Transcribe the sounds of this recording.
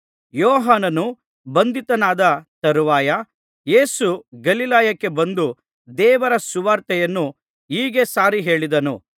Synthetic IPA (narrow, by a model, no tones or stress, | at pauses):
jɔːɦaːnɐnu | bɐnd̪it̪ɐnaːd̪ɐt̪ɐɾuʋaːjɐ | je̞ːsuɡɐlilaːjɐkːe̞bɐnd̪u | d̪ɛːʋɐɾɐsuʋaːɾt̪ɛjɐnːu | iːɡe̞saːɾiɦe̞ːɭid̪ɐnṵ